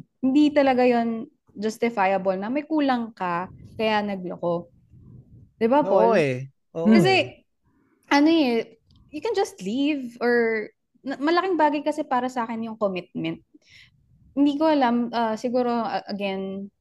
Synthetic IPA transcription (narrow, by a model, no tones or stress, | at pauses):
hɪnd̪it̪ɐlɐɡajon | d͡ʒɐst̪ɪfajɐbɐlnɐmɐjkuːlɐŋkɐkɐjanɐɡ̚loko̞ | d̪̥ɪbapo | ʔokːɐsɛ | ʔɐnoɛ | jʊkɛnd͡ʒɐst̪livʔoɹ | nɐmɐlɐkɪŋbaːɡɐjkɐsɛpaːɾɐsɐaːkɛnjʊŋkomɪt̪̚mɛnt̪̚ | hɪnd̪ikoʔɐlamʔɐsɪɡuːɾo̞ʔɐʔɐɡɛn